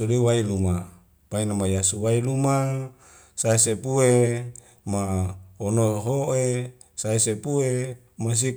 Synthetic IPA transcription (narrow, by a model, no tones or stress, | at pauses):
odewailuma | painamajasuwailuma | saesepue | maonoɦoe | saesepue | mas̬i